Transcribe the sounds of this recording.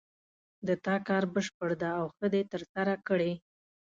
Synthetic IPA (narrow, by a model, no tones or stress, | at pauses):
d̪ət̪ɑkɑɾbəʃpəɽd̪aːwxəd̪et̪əɾsaɾakəɽe